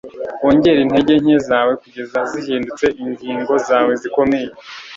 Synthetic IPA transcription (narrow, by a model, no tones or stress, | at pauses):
oːɲɟe̞ɾin̥he̞ɟe̞ɲ̥ezaːwe̞kuɟe̞zaziɦiːndut͡se̞ʔiɲɡiːŋɡo̞zaːwe̞ziko̞meːje